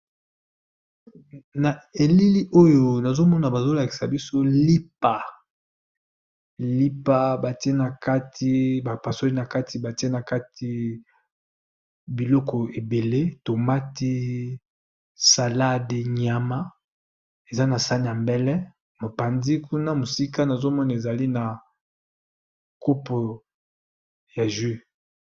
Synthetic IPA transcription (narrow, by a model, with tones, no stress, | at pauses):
na˨e˨li˦li˦ʔo˦jo˦na˨zo˦mɔ˦na˨ba˨zo˦la˨ki̥˨sa˨bi˦so˦li˦p̚a˨ | li˦pa˨ba˨ti˦e˦na˨ka˦tʰi˦ba˨pa˨so˦i˦na˨ka˦tʰi˨ba˨ti˦e˦na˨ka˦tʰi˨ | bi˨lɔ˦kɔ˨e˨be˨le˦to˨ma˦ti˦ | sa˨la˦de˨ɲa˨ma˦ | e˨za˦na˨sa˦n˨ja˨mbɛ˦lɛ˦ | mo˨pa˨ndi˦ku˦na˦mo˨si˦ka˦na˨zo˦mɔ˦na˨e˨za˨li˦na˨ | ko˦pɔ˨ | ja˨ʒi˦